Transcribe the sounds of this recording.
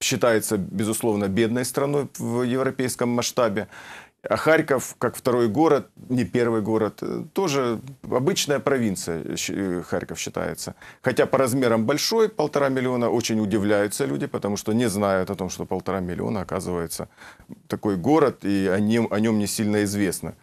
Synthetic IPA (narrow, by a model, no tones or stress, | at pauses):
ɕːɪt̪ajɪt̪səbʲɪzʊslˠo̞vnəbʲe̞d̪nəjst̪ɾɐno̞jvjɪvɾɐpʲejskəmːɐʂt̪abʲɪɐxaɾʲkəfkakft̪ɐɾo̞jɡo̞ɾət̪̚nʲɪpʲe̞rvɨjɡo̞ɾət̪t̪ːo̞ʐɨɐbɨt͡ɕnəjəpɾɐvʲint̪sɨjə̰xa̰ɾʲkəfɕːɪt̪a̰jɪ̰t̪səxɐtʲapəɾɐzmʲe̞ɾəmbɐlʲʂo̞jpəlˠt̪ɐɾamʲɪlʲɪo̞nəʔo̞t͡ɕɪnʲʊdʲɪvlʲæjʊt̪səlʲudʲɪpət̪ɐmuʂt̪onʲɪznajʊt̪ɐt̪o̞mʂt̪o̞pəlˠt̪ɐɾamʲɪlʲɪ̰o̞̰nəːkazɨvəjɪt̪sət̪ɐko̞jɡo̞ɾət̪iɐnʲimʔɐnʲo̞mnʲɪsʲilʲnəɪzvʲe̞snə̰